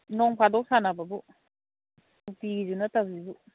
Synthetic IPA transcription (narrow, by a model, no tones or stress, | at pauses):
nɔŋpʰadɔk̚sanababu | upizunatab̚zibu